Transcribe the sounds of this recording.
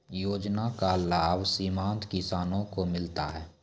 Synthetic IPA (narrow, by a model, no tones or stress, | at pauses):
joːd͡ʒnakalaːbsiːmãːnt̪kɪsaːnõkomɪlt̪a̰ɦɛː